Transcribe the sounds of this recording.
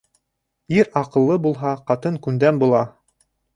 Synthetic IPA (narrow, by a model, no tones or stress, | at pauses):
iɾɑqɤ̆lˠːɤbulˠɦɑqɑt̪ɤŋkʉnd̪æmbulˠɑ